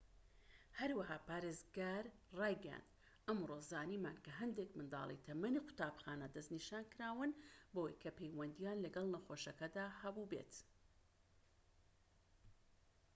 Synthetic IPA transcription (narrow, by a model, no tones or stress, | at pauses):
hɐɾwɐɦaːpaːɾeːzɡaːɾ | rɑːjɡɛja̰nd̪̥ | ʔɐmroːzaːniːmaːnkɐɦɐnd̪ekmɨnd̪ɑ̰ːlˠḭjt̪ʰɐmɐniqʰʊ̥t̪aːbxaːnɐd̪ɐzniʃaːnkɨɾaːwɨnbəwɐjkʰɐpʰejwɐnd̪ijaːnlɐɡɐlˠnɐxoʃɐkɐd̪aːhɐbubḛt̪